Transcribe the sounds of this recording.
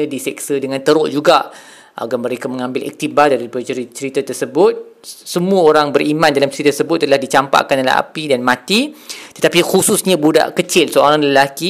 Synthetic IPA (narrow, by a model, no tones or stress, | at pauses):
ədisɛk̚sədəŋãnt̪əɾʊʔd͡ʒuɡaʔ | ʔa̰ɡaməɾekamə̃ŋãmbɪlɛ̰k̚t̪ibadaɾiupadt͡ʃəɾt͡ʃəɾit̪at̪ərsəbʊt̪̚ | səmũəoɾaŋbəɾimãndalamt͡ʃəɾit̪ərsəbʊt̪ːəlahdit͡ʃampa̰ʔkanala̰a̰pidanmãt̪it̪ət̪apixususɲabuda̰ʔkət͡ʃɪlsəʔaɾaŋləlaki